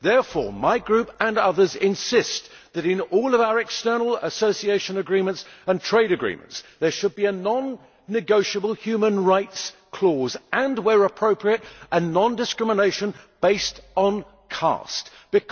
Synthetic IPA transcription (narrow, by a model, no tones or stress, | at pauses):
ðɛɹfɔ̰ɹmaɪɡɹʉpə̃nʌðə˞zɪ̃nsɪstðɨɾɪ̃nɔlˠʌvaʊə˞ɛkstɜ˞nl̩ˠəsoʊsieɪʃɨ̃nɨɡɹĩmə̃ntsə̃ntʰɹ̥eɪɾɨɡɹḭ̃mə̰̃ntsðə˞ʃɨd̚biɨnɑ̃nː | ɨɡoʊʃəbəl̩ˠhjʉmə̃nɹaɪtskʰl̥ɔzɨ̃nwəɹəpʰɹ̥oʊpʰɹiɨɾʔɨnɑ̃ndɨskɹɪməneɪʃɨ̃nb̥eɪstn̩ | kʰɑ̰st | b̥ɨkʰ